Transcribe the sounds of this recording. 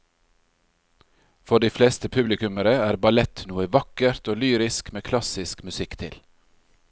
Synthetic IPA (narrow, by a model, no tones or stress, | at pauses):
fɔɖiːfleːst̪əpʰʉblɪkʉməɾəæːɾbɑlɛt̪nuːəʋɑkəɾt̪oːlyːɾɪskmeːkʰlɑsɪskmʉsɪkt̪ʰɪ̰l